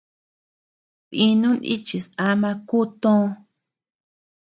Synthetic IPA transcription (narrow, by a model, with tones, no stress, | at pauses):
βĩ˧nũ˦nḭ˦t͡ʃi˨sa˧mã˧ku˦t̪õ˦˧